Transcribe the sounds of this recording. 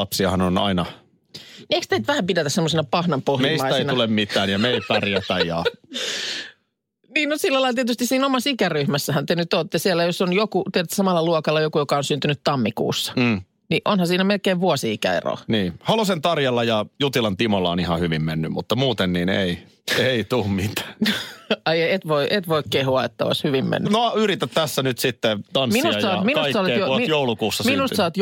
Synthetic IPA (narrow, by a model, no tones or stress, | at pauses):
ɑpsiɑhɑnonɑ̰inɑ | nieikst̪ent̪ʋæhæmpidæt̪æsemːosenɑpɑhnɑmpohmeiˑismɑiseinɑulemmit̪ˑæːnjɑmeit̪ɑrjɑt̪ɑjjɑ | niːnosilːælɑilɑt̪iet̪yst̪isiːnomɑsikæryhmæsːæhænt̪enyt̪oːt̪ːesiælːæjosonjokut̪ieɾt̪ːsɑmɑlːˑɑluokɑlːɑjokujokɑonsynt̪ynyt̪t̪ɑmːikṵːsːɑ̥ː | niʔonhɑsiːnæmelkeːʋʋuosiikæ̰ḛro̰niːhɑlosent̪ɑrjɑlːɑjɑjut̪ilɑnt̪imolːɑonihɑhyʋimmenːymmut̪ːɑmuːt̪enniːnei | eit̪uːmmit̪æ̥ːnoɑjet̪ʋoiʔet̪ʋoikkehuɑet̪ːæo̰ishyʋimmḛnːnoyɾit̪æt̪t̪æsːænyt̪sit̪ːet̪ɑnmsiːnusɑsɑminussːɑolejoojoulukuːsːɑsminussɑoːt̪j